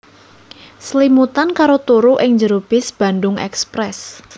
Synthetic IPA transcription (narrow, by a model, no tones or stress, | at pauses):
slimut̪ankaɾot̪uɾuʔɪŋɲd͡ʒəɾub̥ɪsb̥a̤ndʊŋɛ̰kspɾɛs